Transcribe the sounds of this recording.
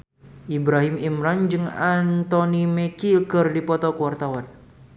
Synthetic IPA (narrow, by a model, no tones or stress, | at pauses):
ʔibɾaɦimimɾand͡ʒɨŋant̪ɔnimɛkikɨrdipɔt̪ɔkuart̪awan